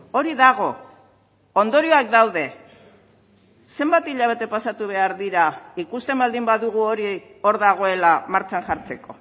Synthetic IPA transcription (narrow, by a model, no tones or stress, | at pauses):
o̞ɾiðaɣ̞o̞ | ond̪o̞ɾio̞akd̪awðe̞ | se̞mbat̪iʎaβ̞e̞t̪e̞pasat̪uβ̞e̞aɾðiɾaikust̪e̞mbald̪imbaðuɣ̞uo̞ɾio̞ɾðaɣ̞o̞e̞lamaɾt͡ʃaŋʝaɾt͡se̞ko̞